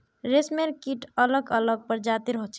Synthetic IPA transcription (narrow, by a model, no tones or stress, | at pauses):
ɾesmeɾkiʈələɡələɡ̚pəɾd͡ʒat̪iɾəɦot͡ʃʰɛ